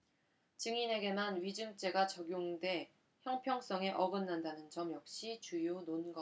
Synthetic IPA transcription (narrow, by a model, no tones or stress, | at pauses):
t͡ɕɯŋine̞ɡe̞manɥid͡ʑɯŋt͡ɕ͈e̞ɡat͡ɕʌɡjoŋde̞ | çjʌŋpʰjʌŋs͈ʌŋe̞ʔʌɡɯnːandanɯnd͡ʑʌmjʌk̚ɕ͈it͡ɕujononɡʌ